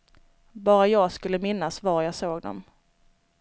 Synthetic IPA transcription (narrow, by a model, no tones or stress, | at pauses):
bɑːɾajɑːɡskɵlːəmɪnːasvaɾjɑːsoːɡd̪ɔ̰m